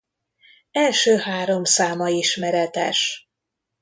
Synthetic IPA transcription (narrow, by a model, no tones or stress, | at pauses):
ɛlʃøːhaːɾo̞msaːmɒiʃmɛɾɛt̪ɛ̰ʃ